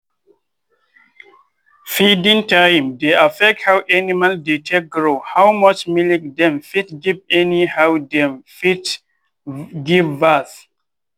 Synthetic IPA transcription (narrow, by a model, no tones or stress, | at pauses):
fidĩŋtãjmdeʔafɛk̚thawʔɛnimandetʰɛk̚ɡɹohawmʌt͡ʃmilik̚dɛ̃mfitɡivɛnihawdɛ̃mfit | ɡivːaθ